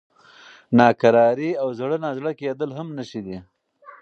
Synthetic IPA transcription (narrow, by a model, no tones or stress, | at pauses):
nɑːkaɾɑːɾiawzɽənazɽəked̪əlɦamnəʃid̪i